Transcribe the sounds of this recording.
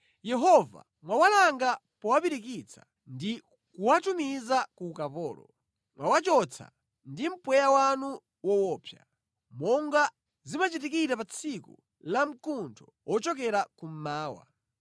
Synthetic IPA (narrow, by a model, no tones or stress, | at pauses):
jɛɦɔva̰ | mwawalaŋɡa | pɔwapiɾik̬it͡sʰḁ | ndi | kuwatumizakukapɔːlɔ̰ | mwawat͡ʃɔt͡sʰa̰ | ndim̩pwɛjawanu | wɔwɔːpʰja̰ | mɔŋɡa | zimat͡ʃitikitapat͡sʰiku | lam̩kuntʰɔwʔɔt͡ʃɔkɛɾakum̩maːwa̰